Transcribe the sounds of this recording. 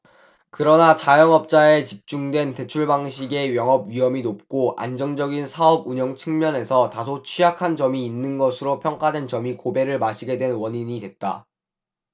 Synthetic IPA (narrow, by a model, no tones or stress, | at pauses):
kɯɾʌnat͡ɕajʌŋʌp̚t͡ɕ͈ae̞t͡ɕip̚t͡ɕ͈uŋdwe̞nte̞t͡ɕʰuɭbaŋɕʰiɡe̞ɥjʌŋɦʌb̚ɥiɦʌminop̚k͈oʔa̰nd͡ʑʌŋd͡ʑʌɡinsʰaʌbuɲʌŋt͡ɕʰɯŋmjʌne̞sʰʌtasʰot͡ɕʰijakʰand͡ʑʌmiːnːɯnɡʌsʰɯɾopʰjʌŋk͈adwe̞nt͡ɕʌmikobe̞ɾɯɭmaɕʰiɡe̞dwe̞nwʌɲiɲidwe̞t̚t͈a̰